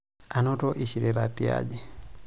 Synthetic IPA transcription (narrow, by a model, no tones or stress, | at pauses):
anotoʔiʃiɾelatia̰d͡ʒi